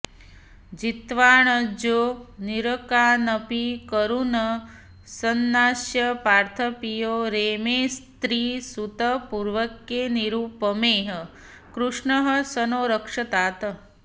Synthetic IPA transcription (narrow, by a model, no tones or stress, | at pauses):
d͡ʒit̪ʋaːɳəd͡ʒoːniɾəkaːnəpikəɾunə | sənːaːsjɐpaːɾt̪ʰəpijoːɾeːmeːst̪ɾiːsut̪əpuɾʋəkjeniɾuːpəmeːɦə | kɾuʂɳəɦə̆sənoːɾəkʂɐt̪aːt̪